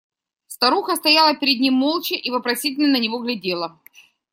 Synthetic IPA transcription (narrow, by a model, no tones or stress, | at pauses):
st̪ɐɾuxəst̪ɐjalˠəpʲɪɾʲɪd̪ʲnʲimːolˠt͡ɕɪʔivəpɾɐsʲitʲɪlʲnənənʲɪvo̞ɣlʲɪdʲe̞lˠə